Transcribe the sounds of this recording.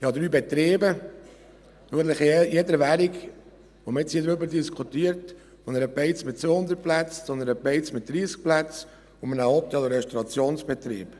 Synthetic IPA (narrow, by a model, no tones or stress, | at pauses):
ɪhɑd̪ɾyːbɛt̪ɾeːbə | ʊɡələχjed̪əɾʋæɾik | ʋoməɪtt͡shiːd̪ɾøbəɾdiskʰut̪iəɾt | onəɾəpɛɪt͡smɪtt͡sʋohʊnd̪əɾt̚plæt͡st͡sonəɾəpeɪt͡smɪt̚d̥̪ɾiːsk̚plæt͡s | ʊmənəɔp̚t̪ɛluɾɛʃtɔɾɑt͡sjoːnsb̥ɛt̪ɾḭːb̥